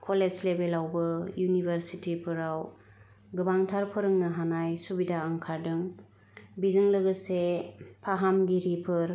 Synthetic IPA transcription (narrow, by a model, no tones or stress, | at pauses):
kʰolezlebelawbɯjunibʱəɾsitipʰɯɾaw | ɡɯbaŋtʰaɾpʰɯɾɯŋnɯɦanajsubidaaŋkʰaɾdɯŋ | bizɯŋlɯɡɯsepʰaɦamɡiɾipʰɯɾ